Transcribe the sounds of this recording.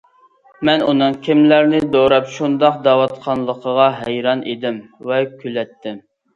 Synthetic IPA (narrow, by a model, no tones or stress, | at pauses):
mɛnunɨŋkʲʰimlæɾnɪd̪oɾɑpʃund̪ɑq̚d̪ɑwɑt̪qʰɑnlˠəqʰəʁɑɦɛjɾɑnʔḛd̪ɪmvɛkʲʰylɛt̪ːɪm